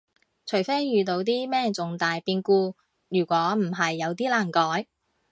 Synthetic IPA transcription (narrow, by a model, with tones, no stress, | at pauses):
t͡ʃʰɵ˨˩ɥfe˥jːyː˨˧t̪o˨˥wt̪̬iː˥mɛː˥˩ŋt͡sʊ˨ŋt̪aː˨jpiː˧nkuː˧ | jyː˨˩kʷɔː˨˥m̩˨˩ɦɐ˨jːɐ˨˧wt̪̬iː˥laː˨˩ŋkɔː˨˥j